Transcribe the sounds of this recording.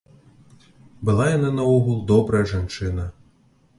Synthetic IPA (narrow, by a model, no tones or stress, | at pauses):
bɨlˠajanɛnɐɔɣulˠd̪ɔbɾɐjɐʐant͡ʂɨnɐ